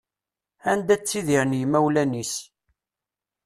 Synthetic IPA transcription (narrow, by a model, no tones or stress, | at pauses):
ænd̪æt͡sːiðiɾnjəmæwlænis